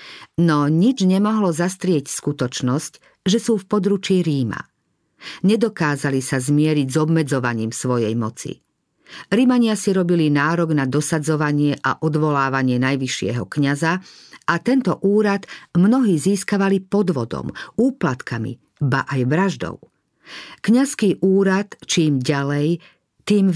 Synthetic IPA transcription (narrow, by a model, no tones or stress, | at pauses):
nɔɲid͡ʒɲɛmɔɦlɔzast̪ɾɪɛcskut̪ɔt͡ʃnɔsc | ʒɛsuːfpɔd̪ɾut͡ʃiɾiːma̰ | ɲɛd̪ɔkaːzalisazmɪɛɾiɟzɔbmɛd͡zɔʋaɲiːmsʋɔjɛjmɔt͡sḭ | ɾimaɲɪasiɾɔbilinaːɾɔɡnad̪ɔsad͡zɔʋaɲɪɛʔa̰ʔɔd̪ʋɔlaːʋaɲɪɛnajʋiʃɪɛ̰ɦɔkɲazaʔat̪ɛnt̪ɔʔuːɾad̪mnɔɦiːziːskaʋalipɔd̪ʋɔd̪ɔ̰muːplat̪kamḭ | ba̰ʔajʋɾaʒd̪ɔ̰ʊ | kɲaskiːʔuːɾat̪t͡ʃiːmɟalɛj | t̪iːm